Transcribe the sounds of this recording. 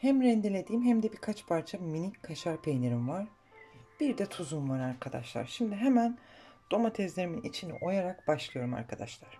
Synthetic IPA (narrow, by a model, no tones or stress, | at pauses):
hæmɾɛnd̪elʲe̞d̪iːmɦæmd̪ɛbiɾkʰat͡ʃpʰaɾt͡ʃʰaminickʰaʃaɾpʰejne̞ɾimvaɾ̥ | b̥iɾd̪ɛt̪ʰuzumvaɾaɾkʰad̪a̰ʃlˠa̰ɾʃimd̪iɦɛmænd̪̥o̞mat̪ʰɛzlʲe̞ɾiminḭt͡ʃʰinḭʔo̞jaɾakbaʃlˠɯjo̞ɾuma̰ɾkʰad̪aʃlˠaɾ̥